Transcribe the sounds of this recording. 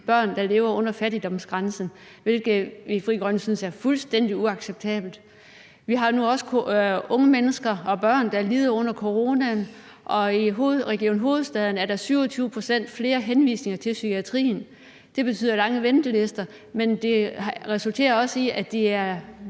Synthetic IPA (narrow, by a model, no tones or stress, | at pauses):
b̥ɶɐ̰nd̥ɑ̈le̝ːʊɐɔ̽n̰ɐfæɾid̥ɒ̽msɡ̥ʁansn̩ | ʋe̝lɡ̥ð̩ˠʋifʁḭɡ̥ʁɒnsynsæɐfulsd̥en̰d̥iuɑ̈ɡ̥seb̥̚t͡sʰɛ̰ːb̥l̩d̥ | ʋiɦɑ̈nuɒ̽sə̥ɔ̽ŋəmenəsɡ̥ɐɒ̽b̥ɶɐ̰nd̥ɑ̈liːð̞ˠɐɔ̽n̰ɐkʰo̝ʁo̝ːnæn | ʔɒ̽iɦo̝ð̩ˠʁɛɡ̥io̝̰ːnɦo̝ːð̞̩ˠsd̥ɛð̞ˠn̩æɐɾ̥ɑ̈syʊ̰ɒ̽t͡sʰyːʊəpʰʁosen̰d̥fle̝ːɐɦenʋḭːsne̝ŋɐt͡sʰe̝lsykʰiæt͡sʰʁḭːn | d̥e̝b̥e̝t͡sʰy̰ð̰ˠɐlɑ̈ŋəʋend̥əle̝sd̥ɐ | mend̥e̝ʁɛsult͡sʰe̝̰ːɐɒ̽siæd̥eæɐ